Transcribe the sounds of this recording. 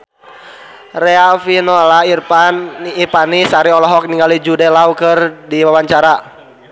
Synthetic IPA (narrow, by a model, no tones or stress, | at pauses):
rɛafinɔlairpanːrpanisaɾiɔlɔɦɔk̚niŋɡalid͡ʒudɛlaukɨrdiwawaɲt͡ʃaɾa